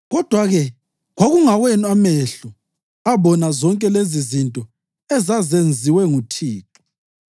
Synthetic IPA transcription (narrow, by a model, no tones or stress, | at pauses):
ɣɔd̥ʱwaɣɛ | ɣoɣuŋawenameɬu | aβɔnazɔŋkʼɛlezizintʼɔ | ɛzazend͡zʱiwɛŋutʰiːǁu̥